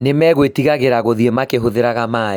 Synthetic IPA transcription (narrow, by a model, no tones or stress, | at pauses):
nemɛɣwetiɣaɣeɾaɣoðiemakeɦoðeɾaɣamaː